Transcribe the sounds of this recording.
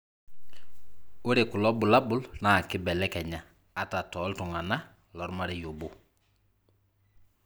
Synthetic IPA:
o˦ɾe˨kʊ˨lɔ˦bʊ˨la˦bʊ˦lna˨kɪ˦bɛ˨lɛ˦kɛ˨ɲa˨ | a˨ta˨tɔ˨˦ltʊ˨ŋa˨na˦ | lɔ˨˦ɾma˦ɾɛ˦jo˨bo˦

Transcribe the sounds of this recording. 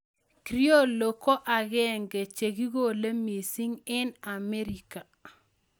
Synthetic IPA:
kɾi˦o˦˨lo˨ko˦ʔa˨ɡɛ˦˨ŋɡe˨t͡ʃe˨ɡi˦ɡo˦˨le˦me˨si˦ŋɪ˦na˨me˦ɾi˨ka˨

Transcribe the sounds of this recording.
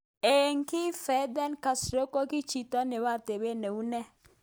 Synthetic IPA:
e˨ŋkɪ˦fɛ˨˦d̪ɛ˦nka˨sɾo˦ko˦kɪ˦t͡ʃi˨tɔ˦nɪ˨wa˦˨te˨be˦ne˨u˦nɛ˦

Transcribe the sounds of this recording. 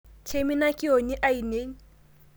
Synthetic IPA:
t͡ʃʰe˦mi˦na˦kʼɪ˦o˨ɲi˦ʔa˦i˨neː˦ŋ̩˦

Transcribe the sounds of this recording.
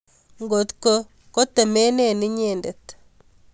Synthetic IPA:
ŋɡo˨t̪ko˦ | ko˦t̪ɛ˨me˦ne˦˨nɪ˦ɲe˦˨nde˨t̪

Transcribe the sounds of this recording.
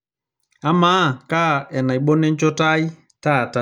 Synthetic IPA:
a˨˦maː˦˨ka˦˨ɛ˨na˨i˨ɓɔ˦nɛ˦n˦t͡ʃɔ˦ta˦i˦ | ta˦˨ta˨

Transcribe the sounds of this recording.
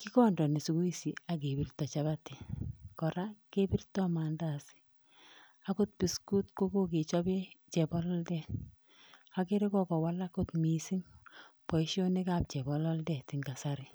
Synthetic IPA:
ki˦kɔ˦ndɔ˨ni˨su˨ku˦i˦si˨a˨ɡ̬e˨bi˨rtɔ˨t͡ʃa˦ba˦ti˨kɔ˨ɾa˦ke˦bi˦rtɔ˦ma˨nda˨sɪ̥˦ | a˦ko˦t̚pi˨sku˦tko˦ko˦ke˨t͡ʃɔ˦be˦t͡ʃɛ˨bɔ˦lɔ˦ldɛ˦ | a˦ke˦ɾe˦kɔ˦kɔ˨wa˦la˦ko˦tmi˨si˦ŋpɔ˨i˦ʃjo˦ni˦ka˨p̚t͡ʃɛ˨bɔ˨lɔ˦ldɛ˨ti˨ŋɡa˨saɾɪ˦

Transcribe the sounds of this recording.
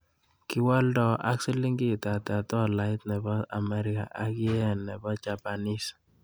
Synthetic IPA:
kɪ˦wɔ˦ldɔ˦ʔa̰˦ksɛ˦li˦ŋɡi˦˨ta˨ta˨tɔ˦˨la˨˦ɪ˦tnɛ˨bɔ˦a̰˨mɛ˦ɾi˦ka̰˨ʔa˦kɪ˦ɛ˦ɛ˨nːɛ˨bɔ˦t͡ʃa˨pa˨ni˦s

